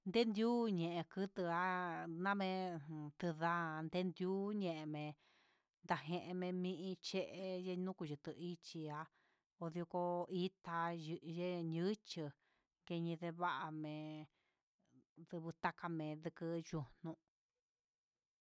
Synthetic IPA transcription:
nd̪e˦nd̪ju˦ɲẽ˨ʔẽ˧kɨ˦t̪ɨ˧a˦nã˦mẽ˧˨t̪ɨ˧ða˦nd̪e˦nd̪ju˦ɲẽ˧˨ʔe˧mẽ˧ | nd̪a˨ɦẽ˧ʔẽ˧mẽ˧mĩ˦˧ʔĩ˧t͡ʃe˦˧ʔe˧je˦˧nũ˦ku˧ʒɨ˨t̪ɨ˧i˦t͡ʃi˧a˧ | o˧ðo˧ko˧i˦t̪a˧je˦ɲɨ˦t͡ʃɨ˧ | ŋɡe˧ɲĩ˧ðe˧βa˦ʔa˧mẽ˨˧ | ðɨ˧βɨ˧t̪a˦ka˧mẽ˨˧ðɨ˧kɨ˧ju˧nũ˧

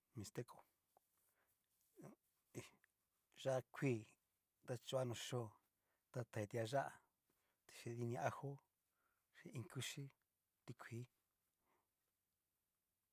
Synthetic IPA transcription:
mĩ˧st̪e˦ko˨ | i˧ | ʒa˦˧kʷʰiː˦˨ | d̪a˦t͡ʃu˧˦a˦˧nũ˨˧ʃo˦˨ | t̪a˧t̪a˨e˧t̪i˧a˧ʒa˦ʔa̰˨ | t̪i̥˧ʃi˧ði˧nĩ˧ʔa˦˧ho˦ | ʃi˧ĩ˧ŋku˦ʃi˦ | t̪i˧kʷʰiː˨˦

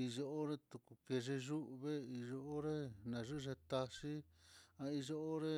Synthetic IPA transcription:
i˧ʒo˧o˦ɾe˦t̪u˧ku˧ke˧ʐe˧ʒu˦ʔβe˦i˧ʒo˧o˦ɾe˦nã˨ʐu˦˧ʐe˧t̪a˧ʂi˦ | ã˧i˧ʒo˧o˦ɾe˦

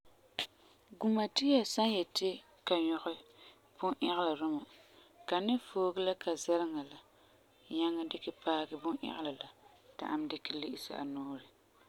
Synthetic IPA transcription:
ɡu˨ma˨ti˦ja˨sa˦njɛ˨tɪ˦ | ka˨ɲɔ˦ɣɪ˦ | bʊ˦ŋʔɛ˦ɣɪ˦la˨ɾʊ˦ma˨ | ka˨nɪ˦foː˦ɡɨ˦la˦ka˨zɛ˦ɾɪ˦ŋa˨la˨ | ɲa˦ŋːa˦dɪ˦kɪ˦paː˦ɡɪ˦bʊ˦ŋʔɛ̰˦ʔɪ˦la˨la˨ | ta̰˨ʔa˦m˦dɪ˦kɪ˦lɪ˦ʔɪ˦sa̰˦ʔa̰˨noː˦ɾɪ˨

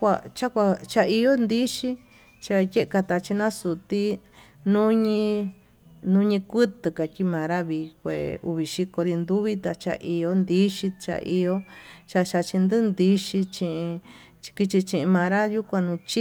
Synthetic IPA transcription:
a˧t͡ʃa˦kʷa˧t͡ʃa˧i˧jo˦nd̪i˦ʃi˦ | t͡ʃa˧je˦ʔka˧t̪a˧t͡ʃi˧nã˦su˨t̪i˦ | nũ˦ɲĩ˧ | nũ˦ɲĩ˧kʷɨ˦t̪ɨ˨ka˨kʲi˦mã˨ɾa˦βi˧kʷḛ˨ṵ˧βi˧ʃi˧ko˧ɾi˧nd̪u˦βi˦t̪a˧t͡ʃa̰˧ʔi˧jo˧˦nd̪i˦ʃi˧t͡ʃa̰˧ʔi˧jo˦t͡ʃa˧ʃa˧t͡ʃi˧nd̪ɨ˦nd̪i˧ʃi˧t͡ʃĩ˧ʔĩ˧ | t͡ʃki˧t͡ʃi˧t͡ʃĩ˧ʔĩ˧mã˧ɾa˦ju˦kʷã˧nũ˧t͡ʃi˦

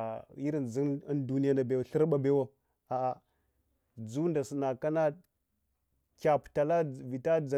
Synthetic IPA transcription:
i˦ɾi˦˨n˨d͡zi˦ndu˦ni˦ja˦na˨be˨wa˨ɬi˦ɾɓa˦be˦wa˦ | a˨ʔa˨ | d͡zu˦nda˨si˨na˨ka˦na˦ | kʲa˨pta˨la˦vi˨ta˦d͡za˨

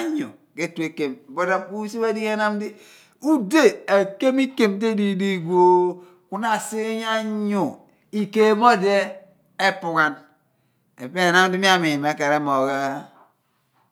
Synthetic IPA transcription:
a˦ɲṵ˨ | ke˦tu˦e˨ke˨m˨bo˦da˦mku˦si˦ba˦di˦e˦na˦m˦di˦ | u˦de˦e˨ke˦mi˦ke˨mte˦di˦di˦ɡʷo˦ | ku˦na˨si˦ɲa˦ɲu˨ | i˨ke˨mo˦˨de˦ | e˦pu˨ŋa˨n | ḛ˨pe˦˨na˦m˦di˦mi˦a˦mi˨me˨˦ka˨ɾe˦mo˨ɣa˦

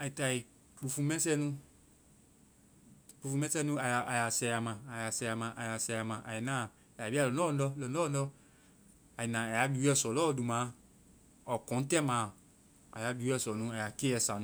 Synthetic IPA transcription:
a˨i˨ta˨i˨ | k͡pu˨fu˨mɛ̃˦sɛ˦nũ˦ | k͡pu˨fu˨mɛ̃˦sɛ˦nũ˦a˨ja˨a˨ja˨sɛ˨ja˨mãː˨ja˨sɛ˨a˨mã˨ʔa˨ja˨sɛ˨ja˨mã˨ʔa̰˨ji˨nã˦˨ | a˨a˨bi˦a˦˨lɔ˨nɔ˦˨ndɔ˦lɔ˨nɔ˦˨n˦ɔ˦ | a˨i˨nã˨a˨ja˨˦bi˨wu˦ɛ˦˨sɔ˨lɔ˦˨du˨mã˨˦ | ɔ˨kɔ̃˨˦n̩˦tɛ˦mãː˨˦˨ | a̰˨ja˨˦bi˨˦ɛ˦˨sɔ˨nũ˦a˨ja˨ke˦ɛ˨sa˨nũ˦

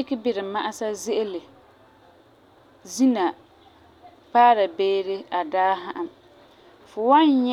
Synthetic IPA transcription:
ɪ˦kɪ˦bɪ˨ɾɪ˨ma˦ʔa˦sa˦ze˦ʔɪ˦lɪ˨ | zi˦na˨ | paː˦ɾa˨beː˦ɾɪ˦a˨daː˦ɦa˦ʔa˨m | fʊ˨wa˦n˦ɲ˦

